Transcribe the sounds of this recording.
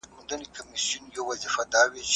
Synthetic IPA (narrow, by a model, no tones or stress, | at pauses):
mʊnd̪ɐnikʰɐmisijʊnjowɐzifɐd̪aːwet͡ʃ